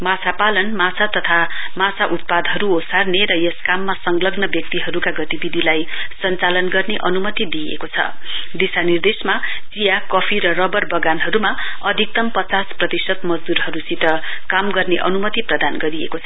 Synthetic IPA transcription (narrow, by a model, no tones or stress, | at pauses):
mat͡sʰapalʌnmat͡sʰat̪ʌt̪ʰamat͡sʰaʔut̪̚pad̪ɦʌɾuosarneɾʌjeskamːasʌŋlʌɡnʌbjʌk̚t̪iɦʌɾukaɡʌt̪ibid̪ʱilajsʌnt͡salʌnɡʌrneʔʌnumʌt̪id̪iḛkot͡sʰʌ̰ | d̪isanird̪esmat͡sijakʌpʰiɾʌrʌbʌrbʌɡanɦʌɾumaʌd̪ʱik̚t̪ʌmpʌt͡sasprʌt̪isʌt̪mʌd͡zd̪uɾɦʌɾusit̪ʌkamɡʌrneʔʌnumʌt̪iprʌd̪anɡʌɾiḛkot͡sʰʌ